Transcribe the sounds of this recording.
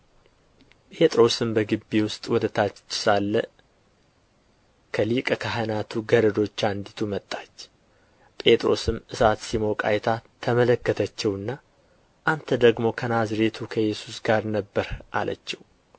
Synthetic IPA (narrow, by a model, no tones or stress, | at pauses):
pʼe̞t̪ʼɾo̞sɨmbəɡɨbːiwʊst̪ʼwɔd̪ət̪ʰat͡ʃːɪ̥salːə | kʰəlikʼəkʰaɦənat̪ʰuɡəɾəd̪o̞t͡ʃːand̪it̪ʰumət̪ʼːat͡ʃː | pʼe̞t̪ʼɾo̞̰sɨmɨsat̪simo̞kʼa̰jt̪ʰat̪ʰəmələkːət̪ʰət͡ʃːɛwɨnːa | ʔant̪ʰəd̪əɡmo̞kʰənazɾe̞t̪ʰukʰəjɛsusɡaɾnəbːəɾʔa̰lə̰t͡ʃːɛw